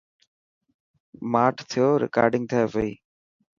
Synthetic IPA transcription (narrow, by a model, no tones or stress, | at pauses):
maːʈʰt̪ʰɪjoːɾɪ̰ka̰ːɾɖɪ̃ŋɡ̚t̪ʰəeːʋeiː